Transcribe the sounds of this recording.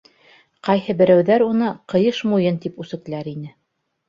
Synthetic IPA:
qɑjhɤbɘ̆ɾæwðæɾunɤqɤ̆jɤʃmujɤnt̪ipʉsɘ̆k̪̆̚læɾinɘ

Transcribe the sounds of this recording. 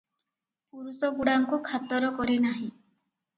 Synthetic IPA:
puɾusɔɡuɽaŋkukʰat̪ɔɾɔkɔɾinaɦĩ

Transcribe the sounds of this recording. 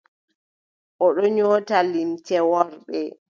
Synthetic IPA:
ʔɔɗɔɲɔːtalimtɛwɔɾɓɛ

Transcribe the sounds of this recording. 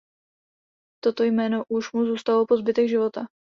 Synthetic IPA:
t̪o̞t̪o̞jmɛːno̞ʔuʃmuzuːst̪alopo̞zbɪt̪ɛɡʒɪvo̞t̪a

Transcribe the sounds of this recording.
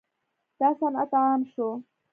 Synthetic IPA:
t̪asanʔɑt̪ˤʕɑmʃu

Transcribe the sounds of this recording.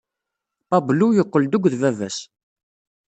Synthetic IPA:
b̥ɑblujəqːəld̪uɡʷðvævæs

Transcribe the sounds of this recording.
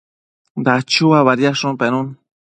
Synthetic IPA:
d̪at͡ʃuaβaɾjaʂunpenun

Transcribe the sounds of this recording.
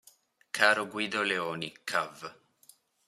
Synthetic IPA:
kʰaːɾoɡwiːd̪oleoːnikʰːav

